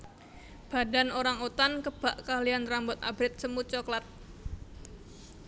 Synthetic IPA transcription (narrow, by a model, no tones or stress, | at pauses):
b̥a̤danoɾaŋot̪ankəb̥aʔkaliant̪ɾambɔt̪abɾɪt̪̚səmut͡ʃɔklat̪̚